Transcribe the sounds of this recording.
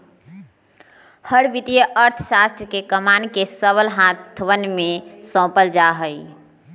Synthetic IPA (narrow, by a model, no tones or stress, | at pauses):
həɽbit̪ijəʔəɾt̪ʰəsast̪ɾəkekəmankesəβəlɦãt̪ʰʋənmesɔ̃pəld͡ʒaɦəj